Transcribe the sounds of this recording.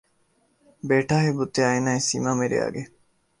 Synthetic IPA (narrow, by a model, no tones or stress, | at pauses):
beːʈaːɦebut̪ːeɐenaːisimaːmeɾḭa̰ːɡe